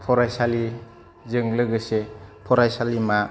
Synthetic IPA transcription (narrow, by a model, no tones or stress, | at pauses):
pʰɔɾajsali | zɯŋlɯɡɯsepʰɔɾajsalima